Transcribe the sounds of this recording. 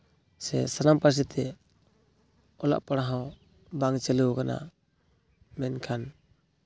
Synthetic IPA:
sɛ̰sanampaɾs̬it̪ʰɛ | ɔla̰ʔpaɽaɦɔ̃ | baŋt͡ʃɛlukana̰ | mɛnkʰan

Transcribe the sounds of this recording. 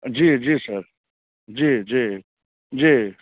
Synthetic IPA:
d͡ʒiːd͡ʒiːsəɾ | d͡ʒiːd͡ʒiː | d͡ʒiː

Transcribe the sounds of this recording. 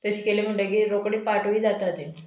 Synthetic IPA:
t̪əɕi̥kelem̤əɳɖekiɾokɽipaʈoʋiːd͡zat̪at̪e

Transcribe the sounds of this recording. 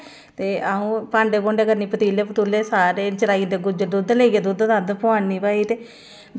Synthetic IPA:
t̪eːaɦũːpãːɳɖeːboɳɖekəɾniːpət̪iːleːpət̪uːleːsaːɾeːt͡ʃəɾaːiːnd̪eːɡʊd͡ʒəd̪ʊd̪leːiɡeːd̪ud̪t̪ad̪pʊaːnːiːpaːiːt̪eː

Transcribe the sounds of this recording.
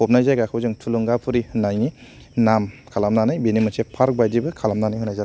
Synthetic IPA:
ɔp̚najzajɡakʰɯwzɯŋtʰuluŋɡapʰuɾinajni | namkʰalamnanajbenimɯsepʰaɾk̚bajdibɯkʰalamnanajɦɯnajza

